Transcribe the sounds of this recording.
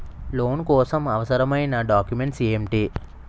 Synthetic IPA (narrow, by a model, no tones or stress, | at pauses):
loːnkɔːsɐmɐʋɐsɐɾɐmɐjnaːɖaːkjume̞ɳʈsiemʈi